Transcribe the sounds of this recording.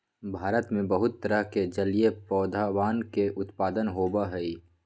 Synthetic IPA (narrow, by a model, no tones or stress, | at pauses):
bʱaːɾət̪mẽbəɦʊt̪ːəɾəɦked͡ʒəlijepɔːd̪ʱawaːnkeʔʊt̪paːd̪ənɦoːbaɦɛi